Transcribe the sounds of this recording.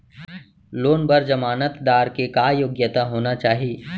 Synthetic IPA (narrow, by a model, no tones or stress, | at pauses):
loːnbəɾd͡ʒɐmaːnət̪d̪aːɾkekajoːɡjət̪aɦoːnat͡ʃaːɦieː